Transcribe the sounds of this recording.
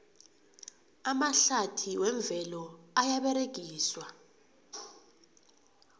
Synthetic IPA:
amaɬatʰiwɛɱb̪vʱɛlɔajaɓɛɾeɡ̥ʱiːswa

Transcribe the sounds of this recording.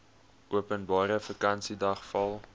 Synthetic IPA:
uəpənbɑːɾəfəkɐnsidɐχfɐlˠ

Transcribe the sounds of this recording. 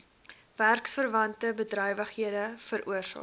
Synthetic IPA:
værksfərvɐntəbədrœjvəχhiədəfəɾʔuərsɑ̰ː

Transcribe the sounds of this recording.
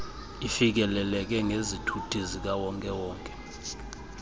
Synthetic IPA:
ifik̬ɛlɛlɛk̬ɛŋezitʰutʰʼizik̬awɔŋkʼɛwɔːŋkʼɛ̥

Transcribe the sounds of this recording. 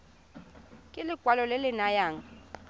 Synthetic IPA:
kʼɪlɪɡ̥ʱwalɔlɪlɪnajaːŋa

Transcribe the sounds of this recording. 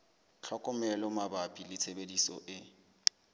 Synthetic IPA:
t͡ɬʰɔkʼɔmɛlɔmabapʼilɪt͡sʰebedisɔ̰ʔɪ

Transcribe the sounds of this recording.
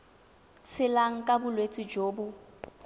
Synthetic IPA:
t͡sʰɪlaŋ̩kʼabʊlwet͡sʼid͡ʒoːbʊ

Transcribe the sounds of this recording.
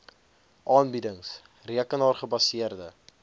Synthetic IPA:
ʔɑːnbidəŋs | riəkənɑːrχəbɐsiərdə̰

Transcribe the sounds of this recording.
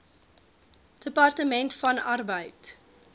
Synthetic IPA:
d̥əpɐrtəmɛntfɐnɐrbəjt

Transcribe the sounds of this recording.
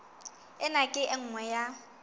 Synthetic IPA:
ɪnakʼɪʔɪŋ̩ŋwɛja

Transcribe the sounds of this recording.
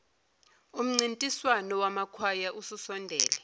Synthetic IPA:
um̩ŋ͡ǀintʼiswanɔwamakʰwajaʔususɔndʱɛ̰ːlɛ

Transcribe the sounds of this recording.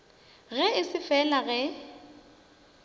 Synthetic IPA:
ɣɛɪsɪfɛlaɣɛ

